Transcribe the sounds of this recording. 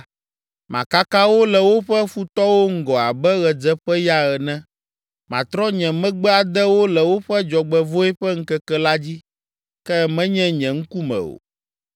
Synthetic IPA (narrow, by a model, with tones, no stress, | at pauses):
mã˨ka˦kã˦wo˦lɛ˨wo˦ɸɛ˦fu˦t̪ɔ˦wo˦ŋ̩˦ɡɔ˨a˨bɛ˦ɣɛ˨d͡zɛ˦ɸɛ˦ja˦ɣɛ˨nɛ̃˦ | mã̰˨t̪ɾɔ˦ɲɛ̃˨mɛ̃˦ɡ͡bɛ˦a˨d̪ɛ˦wo˦lɛ˨wo˦ɸɛ˦d͡ʒɔ˨ɡ͡bɛ˨vo˦ɛ˦ɸɛ˦ŋ̩˦kɛ˦kɛ˦la˦d͡ʑi˦ | kɛ˦mɛ̃˦ɲɛ̃˦ɲɛ̃˨ŋ̩˦ku˦mɛ̰̃˨o̰˨